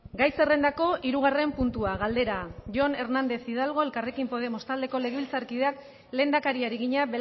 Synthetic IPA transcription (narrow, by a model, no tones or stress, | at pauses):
ɡajse̞re̞nd̪ako̞ʔiɾuɣ̞are̞mpunt̪uaɣald̪e̞ɾaʝo̞ne̞ɾnand̪e̞sið̞alɣ̞o̞e̞lkare̞kimpo̞ð̞e̞most̪ald̪e̞ko̞le̞ɣeilt͡saɾkið̞eak | le̞nd̪akaɾiaɾiɣ̞iɲabe